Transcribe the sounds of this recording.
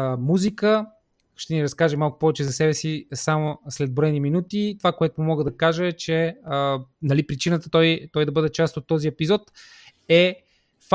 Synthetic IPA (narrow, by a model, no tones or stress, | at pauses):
muzikə | ʃt̪ɛniɾɐskaʒəmalˠkʊ̥pɔvɛt͡ʃɛzɐsɛbɛsisamoslɛd̪̚boɾɛniminut̪it̪ovakoɛt̪ʊmumɔɡəd̪ɐkaʒəɛt͡ʃɛənɐlipɾit͡ʃinət̪ət̪ɔjt̪ɔjd̪ɐbɤd̪ɛt͡ʃast̪ot̪ːɔziɛpizɔt̪ | ɛ | f